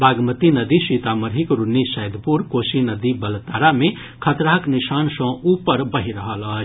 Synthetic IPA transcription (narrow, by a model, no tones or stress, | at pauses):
baɡmət̪inəd̪isit̪aməɾɦikɾunːisəjd̪ʱpuɾkosinəd̪ibəlt̪ːaɾame | kʰət̪ɾaɦəknisansə̃upəɾbəɦiɾəɦələɦt͡ʃʰ